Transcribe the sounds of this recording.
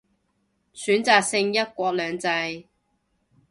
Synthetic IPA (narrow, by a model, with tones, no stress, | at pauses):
syː˨˥nt͡saː˨˧k̚sɪ˧ŋjɐ˥t̚kʷɔː˧k̚lœː˨˧ŋt͡sɐ˧j